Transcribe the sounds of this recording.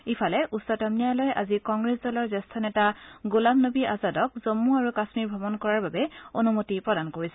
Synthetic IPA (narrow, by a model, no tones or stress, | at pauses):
ipʰalɛʔusɔtamnijalɔjʔa̰zikɔŋɡɹesdɔlɔɹzɛstʰɔnɛtaɡolabnobiʔazadɔkzomːuaɹukasmiɹbʱɔbɔnkɔɹaɹbabɛonumotipɹɔdankoɹisɛ